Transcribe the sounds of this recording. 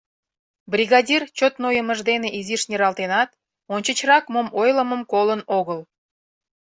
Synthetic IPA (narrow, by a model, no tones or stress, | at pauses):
brʲiɣɑdʲirt͡ɕot̪nojəməʒd̪eneʔiziʃnʲiɾɑlˠt̪enɑt̪ | onʲt͡ɕət͡ɕrɑkmomojləməmkolənoɣəl